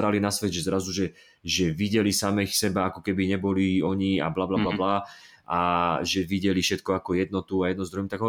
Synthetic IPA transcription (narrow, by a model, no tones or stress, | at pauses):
ɾalinasʋɛɟ̪ʒɛzɾazuʒɛ | ʒɛʋiɟɛlisamɛxsɛbaakɔkɛbiɲɛbɔliɔɲia̰blablablabla | aʒɛʋiɟɛlifʃɛt̪kɔakɔjɛd̪nɔt̪uajɛd̪̚nuzd̪ɾuɦimt̪aɡɦɔ